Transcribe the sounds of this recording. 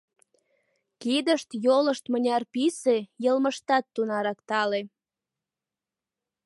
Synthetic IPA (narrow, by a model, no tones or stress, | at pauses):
kid̪əʃt̪joləʃt̪mənʲɑrpisejəlməʃt̪ɑt̪ːunɑɾɑkt̪ɑle